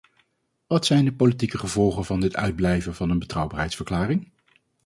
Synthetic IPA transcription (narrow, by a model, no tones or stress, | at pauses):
ʋɑtsɛjndəpolitikəχəvɔlˠχənvɑndɪtœ̰ɥd̚blɛjvənvɑnənbətrɑwbaːɹɦɛjtsfəɹklaːrɪŋ